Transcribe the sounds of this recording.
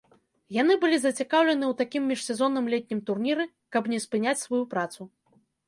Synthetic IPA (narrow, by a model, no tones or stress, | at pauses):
jan̪ɨbɨlʲizɐt͡sʲikawlʲɛnɨwt̪akʲimːʲiʂsʲɛzɔnɐmlʲɛt̪̚ʲnʲimt̪urnʲiɾɨ | kɐpnʲɛspɨnʲat͡sʲsvajupɾat̪su